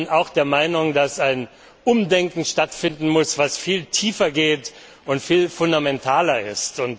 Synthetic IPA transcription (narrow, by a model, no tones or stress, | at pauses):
naʊxd̥eːɐmaɪnʊŋdasaɪn | ʔʊmdɛŋkŋ̩ʃtatfɪndn̩mʊsv̥asfiːltʰiːfɐɡeːt | ʊntfiːlfʊndamɛntʰaːlɐɪstʊnt